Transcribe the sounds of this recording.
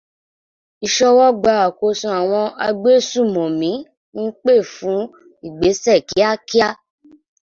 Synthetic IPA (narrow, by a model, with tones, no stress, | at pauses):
i˧ʃɔ˧wɔ˦ɡ͡ba˧a˨ko˧sũ˧a˨w̃ɔ̃˧ʔa˧ɡ͡be˦sũ˦˨mɔ̃˨mĩ˨˦ | n̩˦k͡pe˦˨fũ˨˦ | i˨ɡ͡be˨˦sɛ˦˨ki˨˦a˦ki˦a˦